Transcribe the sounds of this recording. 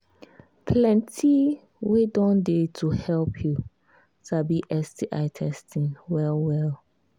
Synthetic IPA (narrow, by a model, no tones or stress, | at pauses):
pʰlɛ̃ntʰi | wedɔ̃ndetʰuhɛlpʰju | sabiʔɛstiʔaɪtʰɛstʰĩnwɛlwɛl